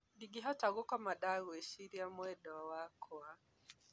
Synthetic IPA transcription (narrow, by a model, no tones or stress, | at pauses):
ɗiɡiɦaɔtaɣukamaɗaɣuɛʃiɾiamwɛɗɔwakʰwa